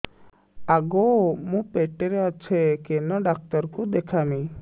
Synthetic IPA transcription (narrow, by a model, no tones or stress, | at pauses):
aɡomũpeʈeɾeɔt͡ʃʰekenɔɖak̚t̪ɔɾkud̪ekʰami